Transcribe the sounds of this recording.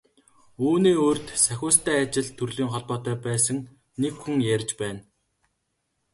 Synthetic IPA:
uːniːoːrt̪sæxʲʊːst̪æːat͡ɕɪ̆ɮt̪ʰɵrɮiːŋχɔɮpɔːt̪œːpæːsə̆ŋ | nekxuŋjæɾʲt͡ɕpæːn

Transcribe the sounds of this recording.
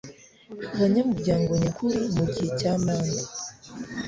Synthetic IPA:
βaɲamuɾɟaːŋɡo̞ɲakʰuɾimuɟihecaːmaːnda

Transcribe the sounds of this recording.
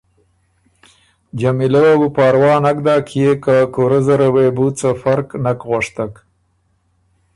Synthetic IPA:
d͡ʒamilewabupɑːɾwɑːnakd̪ɑːkʰijekakoɾəzaɾawebut͡safaɾknakɣaʂt̪ak

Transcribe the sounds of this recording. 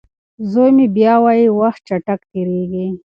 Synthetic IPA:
zojmibjɑwajiwaxt̪̚t͡ʃaʈak̚t̪iɾeɡi

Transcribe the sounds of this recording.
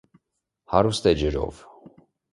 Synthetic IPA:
hɑɾust̪ɛd͡ʒəɾɔ̰v

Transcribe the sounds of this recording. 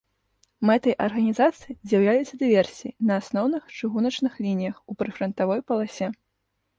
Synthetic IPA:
mɛt̪ɐjʔɐrɣɐnʲizat̪sɨjizʲjaɐwlʲajut̪sːɐd̪ɨvʲɛrsʲiinɐːsnɔwnɨxt͡ʂɨɣunɐt͡ʂnɨxlʲinʲijɐxupɾɨfɾɐnt̪avɔjpɐlˠasʲɛ

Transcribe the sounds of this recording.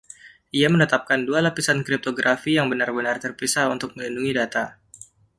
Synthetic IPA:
ʔiamənət̪ap̚kandualapisankɾip̚t̪oɡɾʔafijaŋbənarbənart̪ərpisaunt̪ʊk̚məlinduŋidat̪a

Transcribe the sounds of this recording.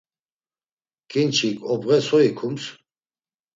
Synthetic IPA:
kʰʼint͡ʃʰikʼɔbʁɛsɔikʰums

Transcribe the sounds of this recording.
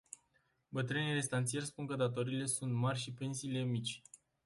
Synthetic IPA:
bət̪ɾɨnijre̞st̪ant̪sije̞rʲspuŋkəd̪at̪o̞ɾiːle̞sunt̪marʲʃipe̞nsiːle̞mit͡ʃʲ

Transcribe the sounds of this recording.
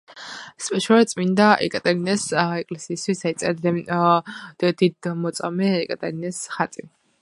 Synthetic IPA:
spʼɛʃɔɾɛt̪sʼmind̪aʔɛ̰kʼat̪ʼɛɾinɛsɛkʼlɛsiːst̪ʰwisait̪sʼɛɛ | d̪id̪mɔt̪sʼamɛɛkʼat̪ʼɛɾinɛsχat̪sʼi

